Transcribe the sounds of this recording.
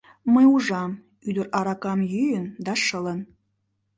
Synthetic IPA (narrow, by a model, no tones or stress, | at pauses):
məjuʒɑm | yd̪əɾɑɾɑkɑmjyjənd̪ɑʃələ̆n